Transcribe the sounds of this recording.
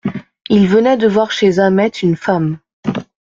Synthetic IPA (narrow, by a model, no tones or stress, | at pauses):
ilvənɛd̪əvwaʁʃezamɛt̪ʰynfam